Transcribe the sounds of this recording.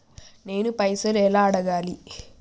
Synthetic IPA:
ne̞ːnupɐjsɐlɛlaːɐɽɐɡaːli

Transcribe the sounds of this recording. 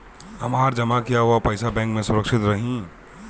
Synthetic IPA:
ɦɐmaːɾd͡ʒɐmakijaɦuapɐɪsabɛ̃ːŋkmẽsʊɾəkʃɪt̪ɾɐɦĩ

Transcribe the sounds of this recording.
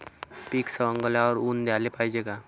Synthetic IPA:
piːksəə̃ŋɡəlaɔːɾuːnd̪jaːlepaːid͡ʒeːɡaː

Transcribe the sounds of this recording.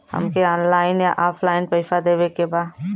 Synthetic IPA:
hə̰mkeɔːnlaːɪnjaʔaːpʰlaːɪnpəɪfad̪eːʋekebaːd̪

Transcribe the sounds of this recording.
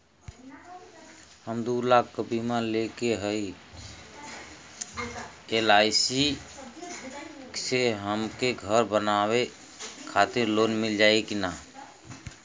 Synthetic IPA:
həmd̪ulakkːəbʱimalekeɦəi | elaɪsi | kseɦəmkeɡʱəɾbənawe | kʰat̪iɾlonmild͡ʒajkina

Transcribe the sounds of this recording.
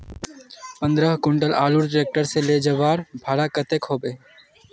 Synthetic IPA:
pə̃nd̪ɾəɦkʊɳɖəlaːluɾɖɾeːk̚ʈəɾseleːd͡ʒəʋaːɾbʱaːɽaːkət̪ekɦoːbeː

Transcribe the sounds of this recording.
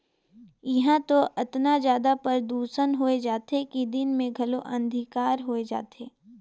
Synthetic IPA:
jɐɦãt̪oʔɐt̪nazjaːd̪apɐɾd̪uːsənɦoːed͡ʒaːt̪ekid̪ɪnmẽɡʱɐloʔɐ̃nd̪ʱɪkaːɾɦoːed͡ʒa̰ːt̪eː

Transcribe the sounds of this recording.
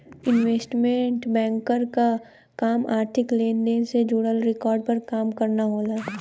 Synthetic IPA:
ɪnʋeːsʈmẽɳʈbɛ̃ːŋkəɾka | kaːmaːɾt̪ʰɪkleːnd̪eːnsed͡ʒuɽəlɾɪkɔːɾɖ̚pɐɾkaːmkɐɾnaɦoːlaː

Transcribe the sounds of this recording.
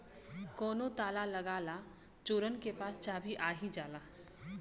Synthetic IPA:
kɔːnot̪aːlaləɡaːla | t͡ʃoːɾənkepaːst͡ʃaːbʱiʔaːɦid͡ʒaːlaː

